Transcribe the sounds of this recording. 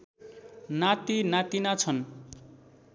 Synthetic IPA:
nat̪inat̪inat͡sʰʌn

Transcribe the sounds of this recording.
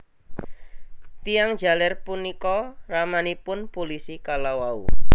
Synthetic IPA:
t̪ijaŋ̥d͡ʒa̤lɛrpunikɔramanipʊnpolisikalawaṵ

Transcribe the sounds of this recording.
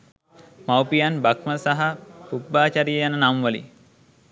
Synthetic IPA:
mawpijanbakməsaɦapubːaːt͡ʃaɾijəjanənamʋəlḭ

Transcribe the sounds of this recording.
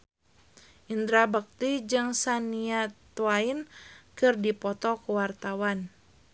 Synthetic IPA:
ʔind̪ɾabak̚t̪id͡ʒɨŋsaniat̪uainkɨrdipɔt̪ɔkəwart̪awan

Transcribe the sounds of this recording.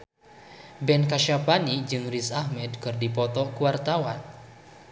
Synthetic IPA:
bɛnkaʃapanid͡ʒɨŋrisahmɛdkɨrdipɔt̪ɔkuwart̪awan

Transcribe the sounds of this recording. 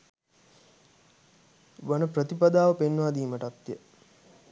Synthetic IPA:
ʋanəpɾət̪ipad̪aːʋəpenʋaːd̪iːməʈat̪jə

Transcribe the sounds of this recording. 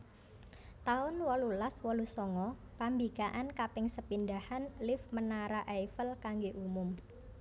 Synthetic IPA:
t̪aʊnwɔlulaswɔlusɔŋɔ | pambikaʔankapɪŋsəpindahanlɪfmənaɾaʔajfəlkaŋɡeʔumʊm

